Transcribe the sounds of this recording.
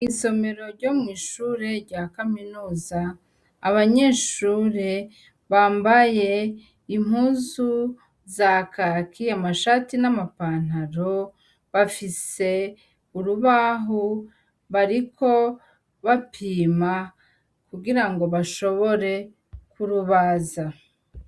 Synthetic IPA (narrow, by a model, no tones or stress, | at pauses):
iso̞me̞ɾo̞ɾɟo̞mŋiːʃuːɾe̞ɾɟaːkaminuːzaː | βaɲe̞ːʃuːɾe̞ | βaːmbaje̞ | im̥huːzu | zakakʰiamaʃatinamapaːn̥haɾo̞ | βafise̞ | uɾuβaːɦo | βaɾikʰo̞ | βapʰiːma | kuɡiɾaŋɡo̞βaʃo̞βo̞ɾe̞ | kuɾuβaːza